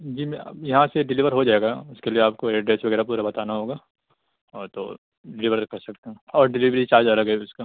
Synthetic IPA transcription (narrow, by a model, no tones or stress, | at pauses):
d͡ʒiːmjɐɦãseɖɪliʋəɾɦod͡ʒaːeɡaʊskelieaːp̚koeːɖɖɾeːsʋɐɡɛːɾapuːɾabɐt̪aːnaɦoːɡaː | ɔːɾt̪o̰ | ɖɪliʋəɾkɐɾsɐk̚t̪aɦɛ̃ɔːɾɖɪliʋɾit͡ʃaːɾd͡ʒɐləɡɦɛʊska